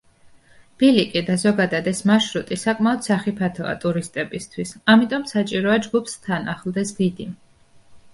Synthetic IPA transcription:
b̥ilikʼid̪azɔɡad̪ad̪ɛsmaʃɾut̪ʼisakʼmaɔd̪saχipʰat̪ʰɔ̰a̰t̪ʼuɾist̪ʼɛbist̪ʰwisamit̪ʼɔmsat͡ʃʼiɾɔad͡ʒɡupst̪ʰanaχlˠd̪ɛsd̪id̪i

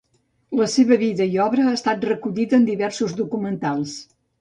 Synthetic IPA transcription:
ləseβəβiðəiɔβɾəːst̪at̪̚rəkuʎiðəːnd̪iβɛɾsuzd̪ukumənt̪alˠs

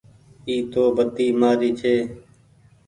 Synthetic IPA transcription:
iːt̪oːbət̪iːmaːɾiːt͡ʃʰeː

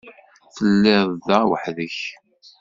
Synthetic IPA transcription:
θəlːɪðˤðæwə̰ħðəç

